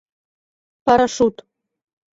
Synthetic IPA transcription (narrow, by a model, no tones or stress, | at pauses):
pɑɾaʃut̪